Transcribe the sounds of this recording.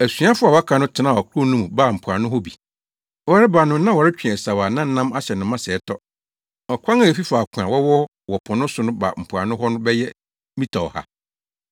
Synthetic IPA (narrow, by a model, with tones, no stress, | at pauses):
æ˨sɥa˦fʊ˦a˨wa˦kʰa˨˦nʊ̃˦tʰɪ˦nã˦˨ɔ˨kʰʊ˦˨nũ˦m˨baː˦˨m̩˨pʰu˨a˨nʊ̃˦ɦɔ˦bi˨ | wɔ˨ɾɪ˦ba˨nʊ̃˦nã˦wɔ˨ɾɪ˦t͡ɕᶣɛ˨sa˨waː˨nã˦n̩˨˦nã˦ma˦ɕɛ˨nʊ̃˨mã˦sɛ˨˦tʰɔ˦ | ɔ˨kʰʷã˦ŋa˦˨e˨fi˦faː˨kʷʰʊ̃˨ã˨wɔ˦wɔ˦ | wɔ˨pʰɔ̃˨nʊ̃˦sʊ˦nʊ̃˦ba̰˨m̩˨pʰa̰˨nʊ̃˦ɦɔ˦nʊ̃˦bɛ˦jɛ˦ | mĩ˦tʰa˨ɔ̰˨ha̰˦